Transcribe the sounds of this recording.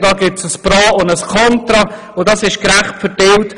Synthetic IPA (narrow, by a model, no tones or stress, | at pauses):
d̥ɑːɡɪsəsprɑːʊndəskʰɔntɾɑ | ʊdɑsɪʃkɾaχtfədɪlt